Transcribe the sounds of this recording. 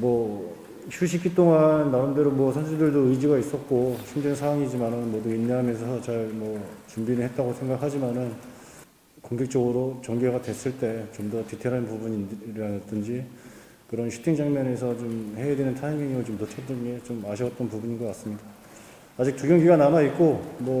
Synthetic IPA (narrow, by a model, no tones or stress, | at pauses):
mwʌ | ɕʰuɕʰik͈it͈oŋanːaɯndeɾomwʌsʰʌnd͡ʑedɯɭdoɯid͡ʑiɡais͈ʌt̚k͈oɕʰimd͡ʑensʰawaŋid͡ʑimanɯnmwʌduinːeɦamjʌnsʰʌt͡ɕaɭmwʌt͡ɕumbinɯɭɦe̞t̚t͈aɡosʰe̞ŋɡakʰad͡ʑimanɯn | koŋɡʰek̚t͡ɕ͈ʌɡɯɾot͡ɕʌŋɡeɡadwe̞s͈ɯɭt͈e̞t͡ɕomdʌtitʰeɾɦanpubuɲiɾanʌt͈ɯnd͡ʑi | kɯɾʌnɕʰi̥tʰeŋd͡ʑaŋmjʌne̞sʰʌt͡ɕomhe̞edwenɯntʰaeŋeŋiɡot͡ɕomtot͡ɕʰʌt͈ɯnɡe̞t͡ɕomaɕʰiʌt̚t͈ʌnpubuɲiɡʌk͈as͈ɯmɲidaː | d͡ʑik̚tuɡjʌŋɡiɡananait̚k͈omwʌ